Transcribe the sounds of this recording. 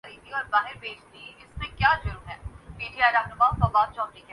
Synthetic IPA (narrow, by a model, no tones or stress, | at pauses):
ɾid̪iɔːɾbaːɦɪɾbeːt͡ʃʰd̪iɪsmẽkjaːd͡ʒʊɾuːɦɛːpiːɖijaːeɾɐɦnʊmasɐbaːt̪̚t͡ʃɔːmɾikɛ